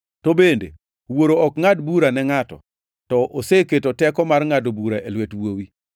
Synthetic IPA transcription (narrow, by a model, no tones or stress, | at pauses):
tobendḛ | woɾoɔkŋadbuɾanɛŋatɔ̰ | tɔʔoseketotɛkɔmarŋadobuɾaʔelwetwowi